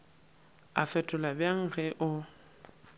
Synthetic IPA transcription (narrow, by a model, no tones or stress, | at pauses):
a̰fɛtʼʊlabjaŋ̩ɣɛʔʊ